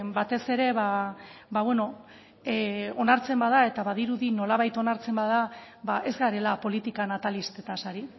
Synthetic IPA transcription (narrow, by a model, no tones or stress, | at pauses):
bat̪e̞se̞ɾe̞βabaβwe̞no̞ | o̞naɾt͡se̞mbaðae̞t̪aβaðiɾuðino̞laβajt̪o̞naɾt͡se̞mbaða | βaʔe̞zɣaɾe̞lapo̞lit̪ikanat̪alist̪e̞t̪asaɾi